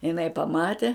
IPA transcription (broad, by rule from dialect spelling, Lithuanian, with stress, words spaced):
ɪˈnɐɪ pɐˈmɑːtʲɛ